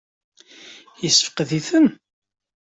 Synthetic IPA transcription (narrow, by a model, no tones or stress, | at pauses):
jəsːəfə̥qðiθən